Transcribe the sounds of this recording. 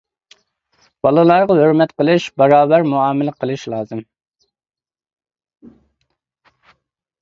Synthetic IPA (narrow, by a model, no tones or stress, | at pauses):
b̥ɑlˠɨlˠɑɾʁɑɦhøɾmɛt̪qəlˠɨʃbɑɾɑːbæɾmuɑːmɪlɪqʰəlˠɨʃlˠɑːzɨm